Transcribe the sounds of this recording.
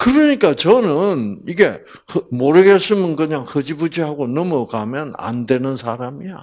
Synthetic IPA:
kɯɾɯɲik͈at͡ɕʌnɯniɡe̞ | hɯmoɾɯɡes͈ɯmɯnkɯɲaŋhɯd͡ʑibud͡ʑihaɡonʌmʌkamjʌna̰ndwe̞nɯnsʰaɾamija

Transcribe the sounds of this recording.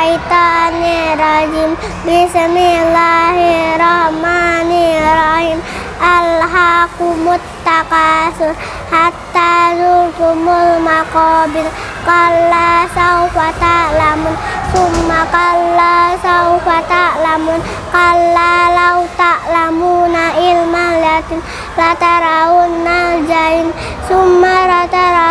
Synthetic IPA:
ait̪aniɾad͡ʒim | bismilaɦiɾɔhmaniɾɔhim | alɦakumʊt̪ːakasu | hat̪ːazupumulmakɔbin | kalasawfat̪aʔlamʊnsumːakalːasawfat̪aʔlamun | kalalawt̪aʔlamunailmaliat̪in | lat̪aɾaunːad͡ʒain | sumːaɾat̪aɾa

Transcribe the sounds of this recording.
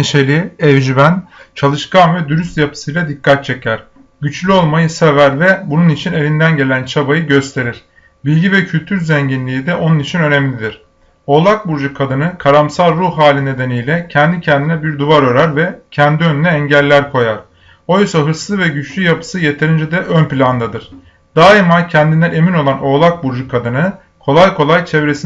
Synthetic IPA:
eʃe̞lʲiɛvd͡ʒibænt͡ʃʰalˠɯʃkanvɛd̪yɾyst̪japʰɯ̥sɯjlʲˠad̪ikʰːat̪̚t͡ʃʰe̞cʰæɾ̥ | ɟyt͡ʃlʲyo̞lˠmajɯsevæɾvɛbununit͡ʃʰine̞lʲind̪ænɟe̞lʲænt͡ʃʰabajɯɟø̞st̪ʰe̞ɾiɾ̥ | bilʲɟivɛcʰylʲt̪ʰyɾzeɲɟinlʲiːd̪ɛʔo̞nunit͡ʃʰinø̞nemlʲid̪iɾ̥ | o̞lˠak̚buɾd͡ʒukʰad̪ɯnɯkʰaɾamsalˠɾuhɦaːlʲine̞d̪e̞nijlʲɛcʰɛnd̪icʰɛnd̪inɛbiɾd̪uvaɾøɾæɾvɛcʰɛnd̪iønynɛːɲɟælʲːæɾkʰo̞jaɾ̥ | o̞jsaɦɯɾslˠɯvɛɟyt͡ʃlʲyjapʰɯ̥sɯje̞t̪ʰe̞ɾind͡ʒɛd̪ɛʔønpilʲand̪ad̪ɯɾ̥ | d̪̥aːimacʰɛnd̪ind̪æne̞mino̞lˠano̞ːlˠak̚buɾd͡ʒukʰad̪ɯnɯ | kʰo̞lˠajkʰo̞lˠajt͡ʃʰevɾe̞si

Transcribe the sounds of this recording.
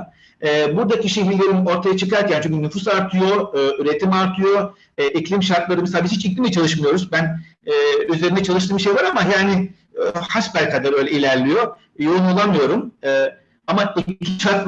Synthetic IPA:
ɛːbuɾd̪aciʃe̞ɦiɾlʲe̞ɾino̞ɾt̪ʰajat͡ʃʰɯkaɾcʰaːnt͡ʃʰokynyfus̬aɾt̪ʰɯjo̞ɯːyɾet̪ʰimaɾt̪ʰɯjo̞ | ɛʔiclʲimʃaɾt̪lˠaɾɯmisaːbihit͡ʃiclʲimiɛt͡ʃʰalˠɯʃmɯjo̞ɾuzbænɛːyze̞ɾinɛt͡ʃʰalˠɯʃ̬t̪ɯːmʃe̞jvaɾamajaːnɪ | haʃkaɾkʰad̪aɾøjlʲɛilʲæɾlʲijo̞ | joɾunalˠamɯjo̞ɾumɛː | amaicʃaɾt̪

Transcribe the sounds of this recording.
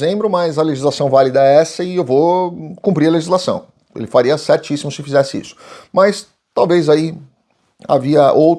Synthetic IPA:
ẽmbɾʊmɐzɐleʒizlasɐ̃w̃valid̪ɐɛɛsɐɪewvokũmpɾiɾɐleʒizlasɐ̰̃w̃ | ḛlɪfaɾiɐsɛɾt͡ʃisimʊsɪfizɛsɪḭsʊ̥mɐs | t̪awvejzai | a̰viɐʔowt̪

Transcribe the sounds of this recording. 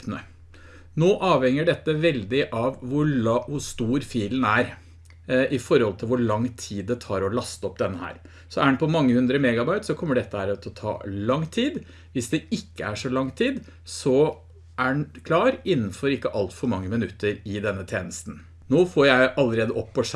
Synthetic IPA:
pnə | noːʔɑːʋhɛŋːəɖɛt̪ːəʋɛld̪ɪʔɑʋːʊʋʊst̪uːɾfiːln̩æɾ | ʔɪfɔɾhɔlt̪ʰɪlʋʊɭɑŋːt̪ʰiːd̪ːɛt̪ʰɑːɾɔlɑst̪ɔpːd̪ɛnːəhæ̰ːɾ | sɔæɳ̩pʰɔmɑŋːəhʉnd̪ɾəmɛɡɑbɑɪt̪sɔkʰɔmːəɖɛt̪ːəhæːɾt̪ʰɔt̪ʰɑ̰ːlɑŋːt̪ʰiːd̪ | ʋɪsd̪ɛɪkːəæʂɔlɑŋt̪ʰiːd̪ | sɔ | ʔæɖnkʰlɑːɾɪnːn̩fɔɾɪkːəʔɑlt̪fɔɾmɑŋːəmɪnʉt̪ːəɾɪd̪ɛnːət̪ʰjeːnəst̪n̩ | noːfoːɾjæɪʔɑlːəɾeːd̪əɔpːɔʂ

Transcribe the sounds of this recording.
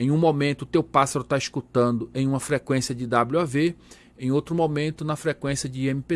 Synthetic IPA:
ẽj̃ũmomẽnt̪ʊːt̪ewpasaɾʊt̪aiskut̪ɐ̃nd̪ʊẽj̃ũmɐfɾekwẽsjɐd͡ʒɪd̪abluave | ẽj̃owt̪ɾʊmomẽnt̪ʊnɐfɾekwẽsiɐd͡ʒɪẽmɪpe

